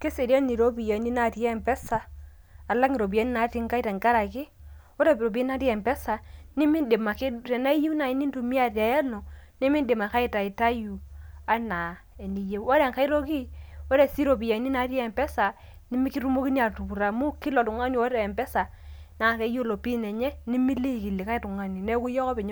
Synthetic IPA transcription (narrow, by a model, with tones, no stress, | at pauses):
ke˦se˨ɾja˦ni˨ɾo˦bi˨ja˨˦ni˦na˦tjɛ˦˨mpɛ˦sa˨ | a˨la˦kŋi˨ɾo˨bi˨jɛ˦ni˦na˨˦ti˦ŋka˦i˦ta˨ŋka˦ɾa˨kɪ˦ | o˦ɾe˦˨ɾo˨be˦na˦tɛ˨mpɛ˦sa˨ni˦mi˦nde˨ma˨kɪ˦ɾɛ˨na˦ji˦na˨i˨˦ni˦n˦tu˨mi˦a˨tja˨jɛ˦lo˨ni˦mi˦nde˨ma˨ka˦i˦ta˨ɪ˨ta˦ju˨a˦na˨ | ɛ˨ni˨je˦ɔ˦ɾɛ˨ŋka˦i˦ɾo˦ki˦o˦ɾɛ˨si˦ɾo˨bi˨ja˨˦ni˦na˨˦tjɛ˨mpɛ˦sa˨ | ni˦mi˦ki˦ɾu˦mo˦ki˦ni˦a˨tu˨bu˨ɾa˨mu˦kɪ˦lɔ˨tu˨ŋa˦ni˦wo˦ɾɛ˨ɛ˨mbɛ˦sa˨ | na˨kɛ˨˦jo˦lo˨pi˦nɛ˨ɲɛ˦ni˦mi˦li˦˨ki˨li˨ka˦i˦tʊ˨ŋa˨ni˨nɛ˦ku˦jɔ˦kɔ˦pɛ˨ɲ˦